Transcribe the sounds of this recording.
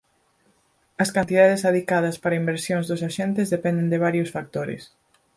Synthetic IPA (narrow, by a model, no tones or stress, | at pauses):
ɐskant̪ið̞að̞esaðikaðɐspaɾɐimbeɾsjoŋzðʊsaʃent̪ɪzðepɛnd̪end̪eβaɾjosfak̚t̪oɾɪ̰s